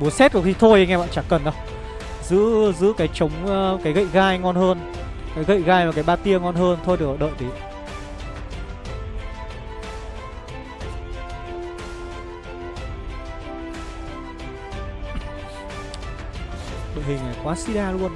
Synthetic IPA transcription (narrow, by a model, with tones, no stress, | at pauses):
ɓu˨˦sɛ˦˥t̚ku˧˩˦xi˧t̪ʰo˧jŋɛ˧ɓa̰ː˧˨nt͡ɕa˧˩kːə˨˩nɗə˧w | zɨ̰˧˥zɨ̰˧˥kaː˨˦jt͡ɕə˨˦wŋ͡mkaː˨˦jɣə̰˧˨jɣaː˧jŋɔ˧nhəː˧n | kaː˨˦jɣə̰˧˨jɣaː˧jmaː˨˩kaː˨˦jɓaː˧t̪i˧əŋɔ˧nɦəː˧nt̪ʰo˧jɗɨ˨˩k̚ɔ˨˩ɗə̰ː˧˨jt̪i˨˦ | ɗə̰ː˧˨jhï˨˩ŋ̟aː˨˩jkwaː˨˦si˧˦˥ɗaː˧lu˧ən